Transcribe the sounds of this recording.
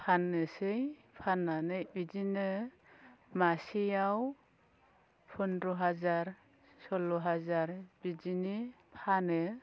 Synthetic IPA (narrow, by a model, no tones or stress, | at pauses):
pʰanɯsɯj | pʰanːanɯjbizinɯ | masijaw | pʰɔndɾɔɦazaɾ | sɔlɔɦazaɾb̥id͡ʒinipʰanɯ